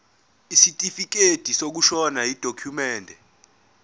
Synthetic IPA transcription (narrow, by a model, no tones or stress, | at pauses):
isitʼifik̬ed̥ʱisok̬uʃɔnajid̥ʱokʰumɛːndʱɛ